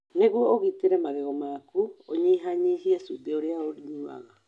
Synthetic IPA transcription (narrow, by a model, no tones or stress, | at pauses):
neɣuɔoɣiteɾɛmaɣeɣɔmaːkuoɲiɦaɲiɦiasudeoɾeaoɾiɲua̰ɣa